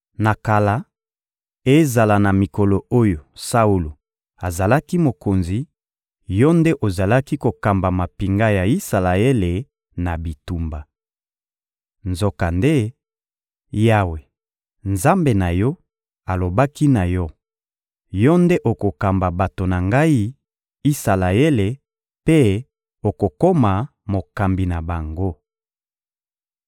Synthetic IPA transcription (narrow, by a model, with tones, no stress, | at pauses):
na˨ka˨la˦ | e˦za˨la˨na˨mi˨ko˨lo˨o˦jo˨sa˦u˦lo˨ | a˨za˨la˦ki˦mo˨ko˨nzi˨ | jɔ˦nde˦ʔo˨za˨la˦ki˦ko˨ka˨mba˨ma˨pi˨ŋɡa˦ja˨i˦sa˨la˨e˦le˨ | na˨bi˨tu˨mba˨ | nzo˨ka˨nde˦ | ja˦we˨ | nza˦mbe˨na˨jɔ˦ | a˨lo˨ba˦ki˦na˨jɔ˦ | jɔ˦nde˦ʔo˨ko˨ka˨mba˨ba˨to˨na˨ŋɡa˦i˦ | i˦sa˨la˨e˦le˨ | pe˦ | o˨ko˨ko˦ma˨ | mo˨ka˨mbi˨na˨ba˨ŋɡo˦